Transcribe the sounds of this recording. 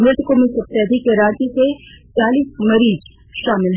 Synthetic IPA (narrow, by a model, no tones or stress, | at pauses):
mɾɪt̪komẽsɐbsɛːd̪ʱikeɾãːt͡ʃiset͡ʃaːliːsmɐɾiːd͡ʒ | ʃaːmɪlɦ